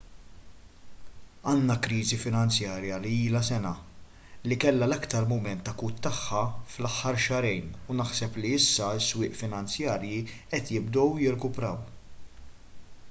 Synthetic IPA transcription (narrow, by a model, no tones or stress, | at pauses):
ɐːnːɐkɾiːzifɪnɐnt͡sjɐːɾjɐliiːlɐsɛnɐ | likɛlːɐlɐkt̪ɐɾmʊmɛnt̪ːɐkuːt̪ːɐħːɐflɐħːɐɾʃɐɾɛjnunɐħsɛpliɪsːɐɪsːwɪːʔfɪnɐnt͡sjɐːɾjiʔɛt̪jɪb̚d̪ɔwjɪɾɛkʊpɾɐw